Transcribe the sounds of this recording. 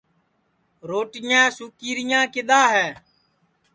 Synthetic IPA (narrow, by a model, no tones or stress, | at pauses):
ɾoːʈɪjãːsuːkiːɾɪjãːkɪɗ̪aːɦɛː